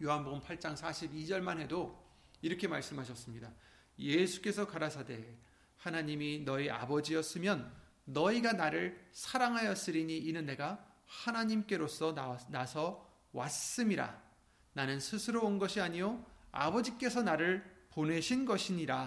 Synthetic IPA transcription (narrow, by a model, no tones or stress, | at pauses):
joɦanboɡɯmpʰaɭt͡ɕ͈aŋsʰaɕʰibid͡ʑʌɭmanɦe̞do | iɾʌkʰe̞maɭs͈ɯmɦaɕʰʌs͈ɯmɲida | je̞sʰu̥k͈e̞sʰʌkaɾasʰade̞ | hanaɲiminʌia̰bʌd͡ʑiʌs͈ɯmjʌnː | ʌiɡanaɾɯɭsʰaɾaŋɦajʌs͈ɯɾiɲiːnɯnːe̞ɡa | hanaɲimk͈e̞ɾos͈ʰʌnasʰʌ | was͈ɯmiɾa̰ | nanɯnsʰɯsʰɯɾoonɡʌɕʰiaɲijoa̰bʌd͡ʑik͈e̞sʰʌnaɾɯɭpone̞ɕʰinɡʌɕʰiɲiɾa